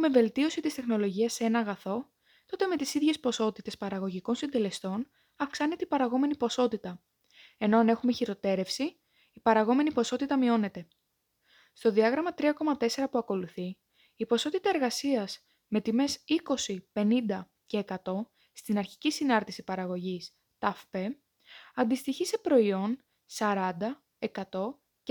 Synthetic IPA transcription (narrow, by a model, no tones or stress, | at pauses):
ume̞ve̞lt̪io̞sit̪ist̪e̞xno̞lo̞ʝiɐsːee̞nɐːɣɐθo̞ | t̪o̞t̪e̞me̞t̪isiðʝe̞spo̞so̞t̪it̪e̞spɐɾɐɣoʝiko̞nsind̪e̞le̞st̪o̞n | ɐfksɐnet̪ipɐɾɐɣo̞me̞nipo̞so̞t̪it̪ɐ | e̞noɐne̞xume̞çiɾo̞t̪e̞ɾe̞fsiː | pɐɾɐɣo̞me̞nipo̞so̞t̪it̪ɐmio̞ne̞t̪e̞ | st̪o̞ðiɐɣɾɐmɐt̪ɾiɐko̞mɐt̪e̞se̞ɾɐpuɐko̞luθi | ipo̞so̞t̪it̪ɐe̞ɾɣɐsiɐz | me̞t̪ime̞siko̞sipe̞nind̪ɐ | ce̞ːkɐt̪o̞ | st̪inɐɾçi̥cisinɐɾt̪isipɐɾɐɣo̞ʝis | t̪ɐfpe̞ | ɐnd̪ist̪içisepɾo̞io̞n | sɐɾɐnd̪ɐ | e̞kɐt̪o̞